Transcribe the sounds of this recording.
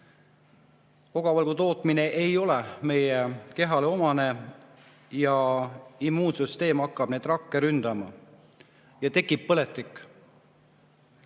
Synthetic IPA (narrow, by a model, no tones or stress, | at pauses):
o̞ɡ̥ɑvɑlɡut̪o̞ːt̪ˑmine̞ʔejo̞lɛme̞jeke̞ɦɑleo̞mɑne̞ | jɑimːuːnsyst̪e̞ːmɑkːˑɑb̥ne̞ːd̪̥rɑkːeɾynd̪̥ɑmɑ̰ | jɑt̪e̞kːˑip̚pːɤlet̪ˑːikˑː